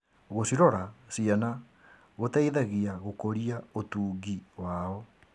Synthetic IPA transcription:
ɣosiɾɔɾasiana | ɣotaiðaɣiaɣokoɾiaotuːɡiwaɔ

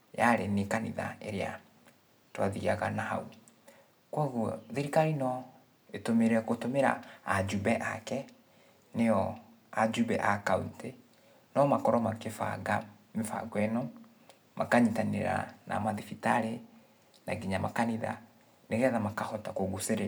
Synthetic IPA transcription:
jaɾenekanḭða̰eɾea̰ | twaðiaɣanaha̰u | kwaɣuðiɾikainɔ | etomeɾeakotomeɾa̰ːd͡ʒubɛʔa̰kɛ | nejɔ | ad͡ʒubɛ̰ʔakawite | nɔmakɔɾɔmakefa̰ɡa | mefa̰ɡwɛnɔ | mʔakaɲitanḛɾa̰na̰maðifitaɾe | naɡiɲamakaniða̰ | neɣɛðamakahɔtakoɡuseɾe

